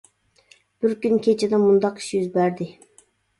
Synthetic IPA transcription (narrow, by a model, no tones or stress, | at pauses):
b̥ɪɾkʲynkʲʰet͡ʃʰed̪ɛmund̪ɑqi̥ʃjyzbæɾd̪ɪ